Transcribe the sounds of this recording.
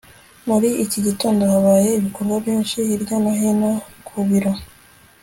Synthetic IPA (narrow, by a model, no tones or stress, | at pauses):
muɾiiciɟitoːndohaβaːje̞iβiko̞ɾɡwaβjiːnʃiːɾɟanaɦinakʰuβiɾo